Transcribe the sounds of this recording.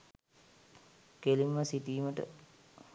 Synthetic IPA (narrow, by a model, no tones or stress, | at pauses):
keliməsit̪iːməʈə̰